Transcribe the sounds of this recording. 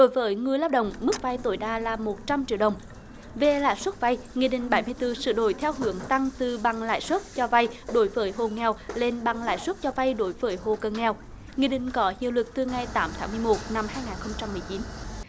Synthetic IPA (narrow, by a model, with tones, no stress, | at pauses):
ɗo˨˦jvəː˨˦jŋɨ˨˩əjlaː˧w̚ɗə̰˧˨wŋ͡mmɨ˦˥k̚va˧jt̪o̰˧˩jɗaː˧laː˨˩mo˨˩t̚t͡ɕa˧mt͡ɕḭ˧˨əwɗə̰˨˩wŋ͡m | ve˨˩la̰ː˧˨jswə˦˥t̚va˧jŋi˨˩ɗï˧˨ŋ̟ɓa˨˦jmɨ˧əjt̪ɨ˧sɨ̰˧˩ɗo̰˧˩jt̪ʰɛ˧wɦɨ˧˩˦əŋt̪a˧ŋt̪ɨ˨˩ɓa˨˩ŋla̰ː˧˨jswə˦˥t̚t͡ɕɔ˧va˧jɗo˨˦jvəː˨˦jɦo˨˩ŋɛ˨˩wle˧nɓa˨˩ŋla̰ː˧˨jswə˦˥t̚t͡ɕɔ˧va˧jɗo˨˦jvəː˨˦jɦo˨˩kə˨˩ŋɛ˨˩w | ŋi˨˧˩ɗï˧˨ŋ̟kɔ˨˦hḭ˧˨wlɨ˨˩k̚t̪ɨ˧əŋa˧˩jt̪aː˨˦mt̪ʰaː˨˦ŋmɨ˨˧əjmo˨˦t̚na˧mhaː˧jŋaː˨˩nxə˧wŋ͡mt͡ɕa˧mːɨ˨˩əjt͡ɕi˨˦n